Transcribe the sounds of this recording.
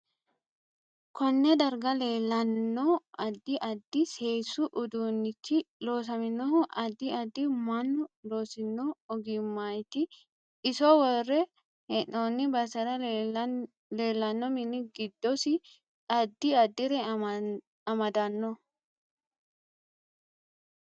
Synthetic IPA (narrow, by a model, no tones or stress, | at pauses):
kɔnːɛd̪ɐɾɡɐleːlːɐnːɔɐd̪ːɪʔɐd̪ːɪse̞ːsʊʔʊd̪uːnːɪkʰːɪlo̞ːs̬ɐmɪnːɔɐd̪ːɪɐd̪ːɪmɐnːʊloːsɪnːɔːɡɪmːɐjt̪ɪː | sɔwɔrːɛ | hɛnːoːnːɪbɐsɐɾɐ | le̞ːlːɐnːɔmɪnːɪɡɪd̪ːɔsɪ | ɐd̪ːɪɐd̪ːɪɾɛ | ɐmɐd̪ɐnːɔ